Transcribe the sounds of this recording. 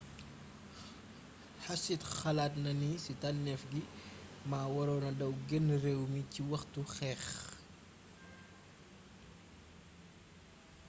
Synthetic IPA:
ħɐsitxɐlaːtnɐnisitanːɛfɡimaːwɐɾɔːnɐdɐwɡɛnːrɛːwmiciwɐxtuxɛːχ

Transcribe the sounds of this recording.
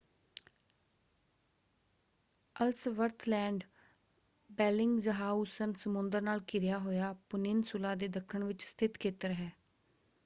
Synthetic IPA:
əlsʋəɾt̪ʰlɛ̃ːɳɖ | bɛːlɪŋɡzəɦaːusənsəmʊnd̪əɾnaːlkɪɾɪjaːɦoːjaːpʊnɪnsʊlãːd̪eːd̪əkʰːəɳʋɪt͡ʃst̪ʰɪt̪kʰeːt̪əɾɦɛː

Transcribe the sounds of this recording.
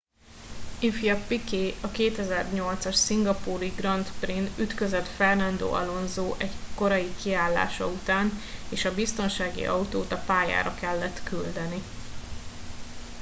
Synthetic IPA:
ifijɒpikeːɒkeːt̪ɛzɛrɲo̞lt̪sɒʃsiŋɡɒpuːɾiɡrɒnt̪prinyt̪køzøt̪fɛrnɒnd̪o̰ːɒ̰lo̞nzoːʔɛɟko̞ɾɒjikiaːlːa̰ːʃɒut̪aːneːʃɒbist̪o̞nʃaːɡḭʔɒut̪oːt̪ɒpaːja̰ːɾɒkɛlːɛt̪kyld̪ɛni

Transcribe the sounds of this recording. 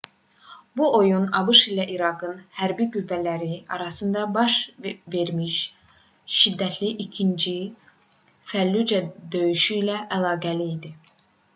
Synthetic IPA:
buʔo̞junɑbɯʃilæʔiɾɑɡɯnhæɾbiɡylvælæɾiɑ̰ɾɑsɯnd̪ɑbɑʃve̞ɾmiʃ | ʃid̪ːæt̪ʰliʔicʰind͡ʒi | fælːyd͡ʒæd̪ø̞jyʃyilæʔælˠɑːɡæliːd̪i

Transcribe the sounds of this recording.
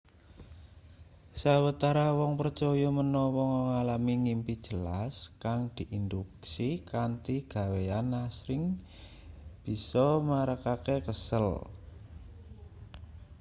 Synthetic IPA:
sawət̪aɾawɔŋpərt͡ʃɔjɔmənɔwɔŋɔŋalamiŋimpid̥d͡ʒ̥ə̤laskaŋd̪̥i̤ʔind̪uksikant̪iɡ̥a̤weanasɾɪŋ | b̥i̤sɔmaɾakakekəsəl

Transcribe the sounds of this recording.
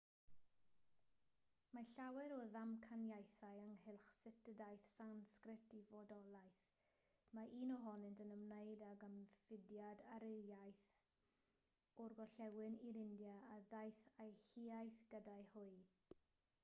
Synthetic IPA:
maɬawɛɾɔðamkʰanjajθajəŋhɪlˠχsɪtədajθsanskrɪtʰivɔdɔlˠajθ | maiːnɔɦɔnɨntənəmnejdaɡəmfɪdjadaɾejajθ | ɔrɡɔɬɛwɨniɾɪndjaːðajθajhiajθɡ̥ədaɨhʊɨ

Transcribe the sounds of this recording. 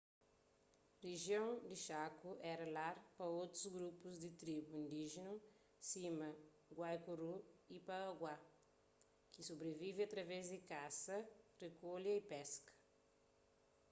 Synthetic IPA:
reʒjõw̃d̪ɪʃakuʔɛɾɐlaɾpɐot̪ɾuzɡɾupuzd̪ɪt̪ɾibuĩnd̪iʒenu | simɐ | ɡwajkuruipɐːɡwa | kɪsobɾevivɪat̪ɾɐvɛzd̪ɪkasɐrekoljɐipɛskɐ̥

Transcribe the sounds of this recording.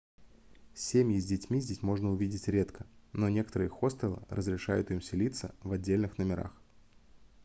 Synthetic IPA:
sʲemʲjɪzʲdʲɪtʲmʲizʲdʲesʲmo̞ʐnəʊvʲidʲɪtʲɾʲe̞t̪kəno̞nʲe̞kət̪əɾɨjxo̞st̪ɾʲəlˠə̰ɾʔəzɾʲɪʂajʊ̰t̪ɨmsʲɪlʲit̪sə̰vɐdʲːelʲnɨxnəmʲɪɾa̰x

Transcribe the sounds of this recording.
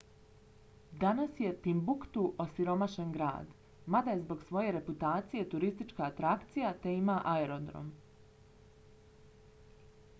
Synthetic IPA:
d̪anasje̞t̪imbukt̪uʔosiɾo̞maʃe̞nɡɾa̰ːd̪ | mad̪ajezbo̞ɡsʋo̞je̞ɾe̞put̪aːt̪sije̞t̪uɾist̪it͡ʃkaːt̪ɾakt̪sijat̪e̞imaʔaeɾo̞d̪ɾo̰m

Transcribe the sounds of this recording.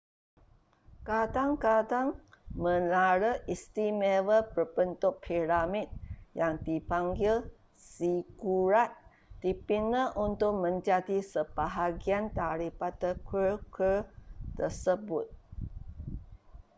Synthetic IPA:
kad̪aŋkadaŋmə̃laɾəist̪imevəlpərbənt̪ʊʔpʰiɾamit̪̚jaŋd̪ipaŋɡil | siɡuɾat̪̚ | d̪̥ipinə̃ʔunt̪ʊk̚mə̃ɲd͡ʒadisəb̥aɦaɡiant̪aɾipat̪əkʰəkət̪əsəbʊt̪̚

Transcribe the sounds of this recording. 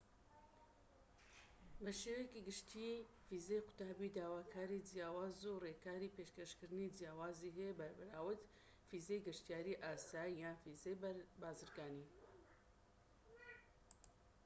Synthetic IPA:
bəʃeːwekiɡɨʃt̪ʰiː | fiːzejqʊ̥t̪aːbiːd̪aːwaːkʰaːɾid͡ʒijaːwaːzureːkʰaːɾiːpeːʃkɐʃkɨɾnid͡ʒjaːwaːziːɦebɐɾbɨɾaːwɨt̪ | fiːzejɡɨʃt̪ijaːɾiʔaːsaːijaːnfiːzebaːzɨɾɡaːniː

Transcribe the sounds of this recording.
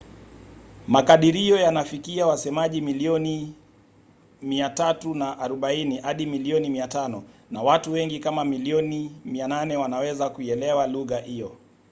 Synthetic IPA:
makaɗiɾiɔjanafikiawasɛmaʄimiliɔni | miatatunaʔːɾuɓainihaɗimiliɔnimiatanɔnawatuwɛŋɡikamamiliɔnimiananɛwanawɛzakuiɛlɛwaluɣahijɔ

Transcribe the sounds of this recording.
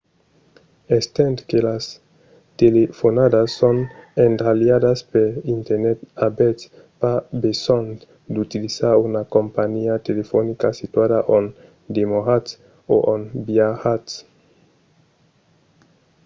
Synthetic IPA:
est̪ẽnt̪kelas | t̪elefonad̪asːonendɾaljad̪aspeɾint̪eɾnet̪abet̪ | pabesont̪ | d̪ut̪ilisaɾunakompaɲiat̪elefonikasit̪wadaʔon | d̪emohat̪ | o̰ʔonbiahat̪s

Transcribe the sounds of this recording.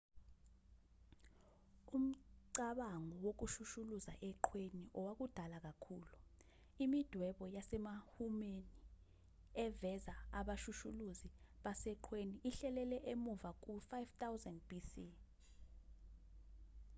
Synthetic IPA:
um̩ǀaɓaŋɔwok̬uʃuʃuluzaʔɛǃʰweniʔɔwak̬ud̥ʱalak̬ʼakʰulu | imid̥ʱwɛɓɔjasɛmahumeni | ɛvɛzaaɓaʃuʃuluziɓasɛǃʰweniʔːɬɛlɛlɛʔemuvak̬ufajvtʰʼawzɛndb̥isi

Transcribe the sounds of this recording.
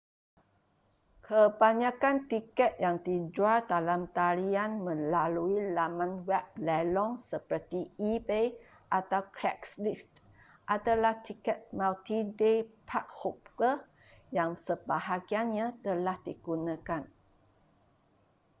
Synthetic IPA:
kʰəbaɲakant̪ikɛt̪̚jaŋt̪id͡ʒuad̪alamt̪aɾianmə̃laluilamãnwɛp̚lɛlɔŋsəpərt̪iipej | ʔat̪awkɾɛkslist | ʔad̪alaht̪ikɛt̪̚malt̪idepʰak̚hup̚kə | jaŋsəbaɦaɡianɲãt̪əlahdiɡ̥unãkan

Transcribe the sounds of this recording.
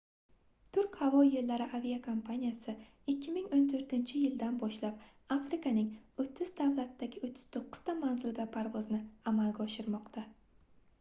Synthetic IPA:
t̪ʰʊɾkʲhavɒjelːaɾɪʔavijakʰompʰanijasɪ | ɪkʲːɪmɪŋont̪ʰɵɾt̪ɪnt͡ʃʰɪjɪld̪anbɒʃlap̚ | afɾɪkanɪŋɵt̪ʰːɪzd̪avlat̪ːaɡʲɪʊt̪ʰːɪ̥z̥t̪ʰoqːʊ̥z̥t̪ʰamanzɪlˠɡ̪ʲapʰaɾvɒznɪamalɡʲaɒʃɪɾmɒqt̪ʰa

